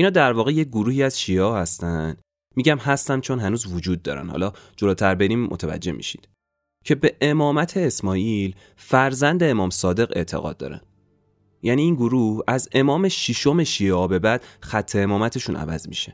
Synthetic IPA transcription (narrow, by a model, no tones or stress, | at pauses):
ʔinhɒːd̪æɾvɒːɣe̞je̞c̚ɡoɾuːhiːæz̥ʃieɒhæst̪ænd̪̥ | miːɟæmɦæst̪ænd̪t͡ʃʰo̞nɦænuːzvod͡ʒuːd̪̚ːɒ̰ɾæ̰nhɒ̰lɒːd͡ʒo̞loːt̪ʰæɾbe̞ɾiːmmʔo̰t̪ʰævæ̰d͡ʒːe̞hmḭʃi̥d̪̥ | cʰe̞be̞ʔemɒːmæt̪ʰe̞ːsmɒːʔil | fæɾzænd̪e̞ːmɒːmsɒːd̪e̞ɣe̞̰ʔt̪ʰe̞̰ɣɒ̰ːd̪̚ːɒ̰ːɾæ̰n | jæniːnɡoɾuhæze̞mɒːme̞ʃiʃo̞me̞ʃieɒbe̞bæd̪̥xæt̪ʰːe̞emɒːmæt̪ʰe̞ʃunʔæ̰væ̰zmḭʃe